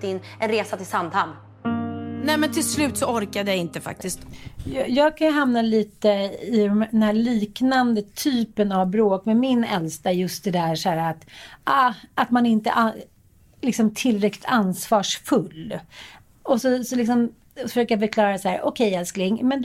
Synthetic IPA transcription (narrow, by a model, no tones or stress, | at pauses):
t̪ɪnːʔɛnɾeːsat̪ʰɪlsamd̪ham | nɛmɛnt̪ʰɪlslʉ̟ːt̪sɔɔɾkad̪əjaɪnt̪əfa̰k̚t̪ɪst̪jɑjɑːɡ̚kʰanjəɦamnaliːt̪əɪd̪ɛmd̪ɛnhæːɭiːknand̪ət̪ʰyːpənavbɾoːkmɛmɪnɛ̰lst̪ajɵst̪̚d̪ɛd̪æɾʂæːɾːt̪ʔaat̪manɪnt̪ə̰ʔa | lɪksɔmt̪ʰɪlːɾɛklɪ̥t̪ansvɑːʂfɵlː | ɔsɔsɔlɪks̬ɔm | fœʂøːkajafəɾkʰlɑːɾasahæːɾʔɔkʰɛjɛlsklɪŋmɛn